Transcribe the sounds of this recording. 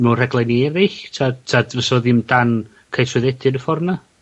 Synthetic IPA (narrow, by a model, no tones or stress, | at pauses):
mɛwr̥ɛɡlˠajniɛɾɪɬtʰatʰavəsɔðɪmdan | kʰajtʰwɪðɛdɪnəfɔrna